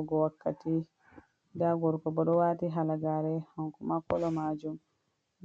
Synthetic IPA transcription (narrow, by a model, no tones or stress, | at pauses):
ɔɡɔwakːati | daɡɔɾkɔbɔɗɔwaːtiɦalaɡaɾɛhaŋkɔmakɔlɔmaːd͡ʒum